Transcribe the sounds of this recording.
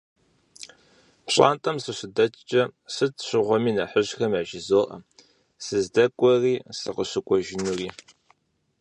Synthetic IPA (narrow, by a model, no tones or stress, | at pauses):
pɕʼa̰ːntʼɐmsɨɕʷɪdɐt͡ʃʼt͡ʃʼɐsɨtʰɕʷɪʁʷɔmiːnɐħəʑxɐmɐʒɪzoːʔɐ̰ | sɨzdɐkʷʼɔriːsɨ̰qəɕɨkʷʼɔʒɪnuriː